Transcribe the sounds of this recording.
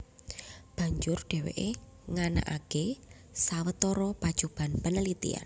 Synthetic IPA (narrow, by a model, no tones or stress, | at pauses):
b̥a̤ɲd͡ʒʊrɖ̥e̤wḛʔe | ŋana̰ʔake | sawət̪ɔɾɔpad̥ʒ̥ub̥a̤npənəlit̪ḭa̰n